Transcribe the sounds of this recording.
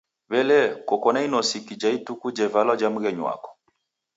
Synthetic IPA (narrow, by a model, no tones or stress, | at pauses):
βɛlɛkɔkɔnainɔsikid͡ʒaitukud͡ʒɛvalɔd͡ʒam̩ɣɛɲwa̰kɔ̥